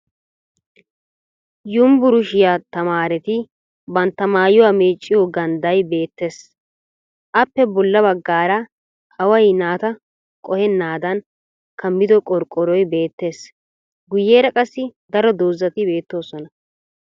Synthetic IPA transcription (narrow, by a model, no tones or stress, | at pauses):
jʊmbʊɾʊʃɪjat̪ɐmaːɾɛt̪ɪ | bɐnt̪ːɐmaːjʊwaːmeːt͡ʃʼːɪjɔɡɐnd̪ɐjbe̞ːt̪ːe̞ːs | ʔɐpːɛbɔlːɐbɐɡːaːɾɐ | hɐwɐjnaːt̪ɐ | kʼɔhɛnːaːd̪ɐn | kʰɐmːɪd̪ɔkʼɔɾkʼːɔɾɔjbe̞ːt̪ːe̞ːs | ɡʊjːe̞ːɾɐkʼɐsːɪd̪ɐɾɔd̪oːzːɐt̪ɪbe̞ːt̪ːo̞ːsɔnɐ